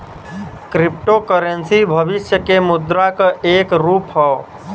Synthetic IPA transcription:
kɾip̚ʈokəɾənsibʱəbisjəkemud̪ɾakəekɾupɦɔ

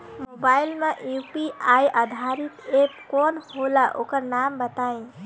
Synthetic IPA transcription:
mobailmeʔjupiajʔad̪ʱaɾit̪epkɔnholaʔokəɾnambət̪aẽ

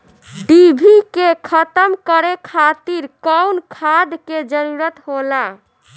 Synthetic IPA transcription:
ɖibʱikekʰət̪əmkəɾekʰat̪iɾkawnkʰad̪ked͡ʒəɾuɾət̪ɦola

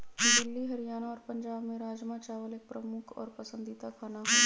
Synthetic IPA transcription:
d̪ɪlːiɦɐɾijaːnaɔːɾpɐ̃ɲd͡ʒaːbmẽɾaːd͡ʒmat͡ʃaːʋəleːk̚pɾɐmʊkʰɔ̰ːɾpɐsə̃nd̪it̪akʰanaɦoː

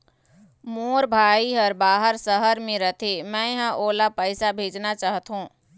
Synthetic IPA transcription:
moːɾbʱaːiɦəɾbaːɦəɾsəɦəɾmẽɾət̪ʰemɛ̃ɦãʔoːlapəɪsabʱeːd͡ʒnat͡ʃaːɦt̪ɦũː

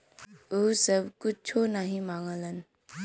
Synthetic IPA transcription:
osəbkʊt͡ʃʰonəɦĩmaŋələn

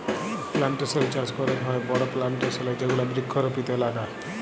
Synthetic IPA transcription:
plaɳʈɔsɔbit͡ʃaskɔɾɔɾɦɔebɔɽɔplaɳʈɔsɔlajd͡ʒeɡuɽabɾikʰːɔɾɔpit̪ɔlaɖa

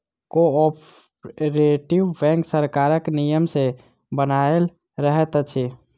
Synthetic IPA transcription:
koɔp | ɾeʈiʋbɛ̃ːŋksəɾkaːɾəknijəmse | bənael | ɾəɦət̪ət͡ʃʰi

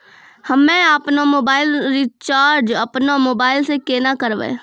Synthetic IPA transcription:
hɐmːẽaːpnamoːbaːɪlɾit͡ʃaːɾd͡ʒɐpnamoːbaːɪlsekeːnakəɾʋḛ̃ː

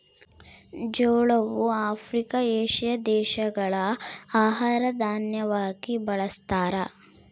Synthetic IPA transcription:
d͡ʒoːɭɐʋuaːpʰɾikɐeːʃijɐd̪ɛːʃɐɡɐɭɐaːɦaːɾɐd̪aːnjɐʋaːɡibɐɭɐst̪aːɾɐ

